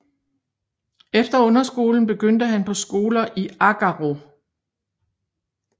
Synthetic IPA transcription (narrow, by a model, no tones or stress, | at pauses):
efd̥ɐɔ̽nɐsɡ̥o̝ːln̩b̥e̝ɡ̥øn̰d̥əɦænpʰɒ̽sɡ̥o̝ːlɐʔiɑɡ̥ɑʁo̝